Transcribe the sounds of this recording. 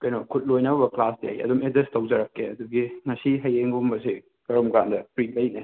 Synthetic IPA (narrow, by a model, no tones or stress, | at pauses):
kɐjnokʰut̚lojnɐbɐbɐklasda̰jɐ̰dumedestɐwd͡ʒɐɾɐkːeɐd̪uɡiŋɐsiɦɐjeŋɡumbɐsi | kɐɾɔmɡandɐpɾik̚lɐjne